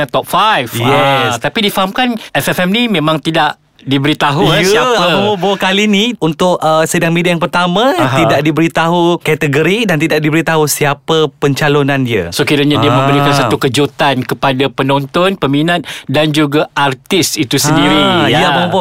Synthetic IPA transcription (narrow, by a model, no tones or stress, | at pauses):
at̪ɔp̚fajfjɛst̪apidifaɦamkanʔɛfɛfɛmnimẽmãŋt̪idaʔ | dibəɾit̪aɦuaəbəmobokaliniunt̪ʊʔəsədaŋmediajaŋpərt̪amãidaʔ̚dibəɾit̪aɦukɛt̪əɡəɾidant̪idaʔ̚dibəɾit̪aɦusiapəpəɲt͡ʃalonãndiəsokiɾaɲadiamə̃mbəɾikansat̪ukəd͡ʒut̪ankəpadapənɔnt̪ɔnpəminat̪̚dand͡ʒuɡaʔart̪ɪsit̪usəndiɾiiaəmõbo